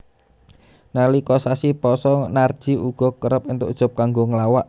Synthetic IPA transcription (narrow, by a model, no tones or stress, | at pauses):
nalikɔsasipɔsɔnard̥ʒ̥i̤uɡ̥ɔ̤kəɾəp̚int̪ʊʔud̥ʒ̥ɔ̤p̚kaŋɡoŋəlawaʔ